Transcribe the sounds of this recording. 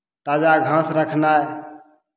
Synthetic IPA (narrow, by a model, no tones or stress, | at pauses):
t̪ad͡ʒaɡʱə̃sɾəkʰna